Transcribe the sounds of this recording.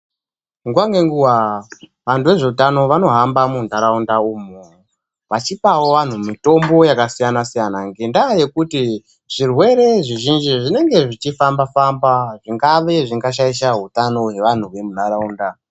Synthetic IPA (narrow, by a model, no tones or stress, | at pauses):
ŋɡwaŋɡeŋɡuwa | ʋantuʋe̞ʐe̞utano̞ʋano̞ɦambamundaɾaundaumu | ʋat͡ʃipawo̞ʋan̤umito̞mbo̞jakasijanasijanaŋɡendaje̞kuti | ʐ̥irwe̞ɾe̞ʐiʒind͡ʒiʐine̞ŋɡe̞ʐit͡ʃifambafambaʐiŋɡaʋe̞ʐiŋɡaʃ̬aiʃ̬aɦutano̞ɦe̞ʋan̤uwe̞munaɾauːnda